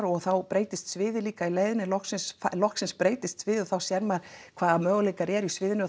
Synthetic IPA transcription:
ɾɔɣθawpɾeːjt̪ɪst̪svɪːðɪliːkaileːjðɪnɪlɔhksɪnsfalɔhksɪnspɾeːjt̪ɪst̪svɪːðɪɔθawsjɛɾmaɾkʰv̥aːðamœːɣʏlejkaɾɛɾisvɪːðɪnʏ

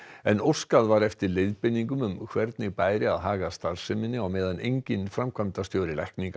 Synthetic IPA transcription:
ɛnowskaðvaɾɛft̪ɪɾleðpɪnːiŋkʏmʏmkʰvɛɾt̪nɪɣpaːjɾɪaðɦaːɣast̪aɾsɪmɪnːɪawmɛːðanejɲcɪnfɾamkʰvamt̪ast̪jowɾɪlajhkniŋk

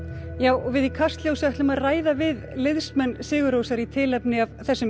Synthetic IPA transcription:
jaːwʔɔɣvɪðikʰast̪ljowsaht̪lʏmaðraːjðavɪðlɪðsmɛnːsɪːɣʏɾowsaɾit̪ʰɪːlɛpnɪavθɛsːʏm

